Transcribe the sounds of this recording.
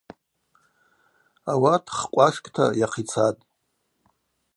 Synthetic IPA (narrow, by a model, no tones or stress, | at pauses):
awatʰχkʷʼaʂkʼtʰa̰jaqʰit͡sʰatʼ